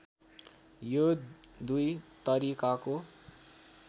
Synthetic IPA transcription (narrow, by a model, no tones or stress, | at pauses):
jod̪ujt̪ʌɾikako